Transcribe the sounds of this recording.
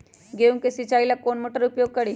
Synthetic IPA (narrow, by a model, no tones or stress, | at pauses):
ɡeuŋkesit͡ɕailakonmoʈəɾupjoɡ̚kəɽiː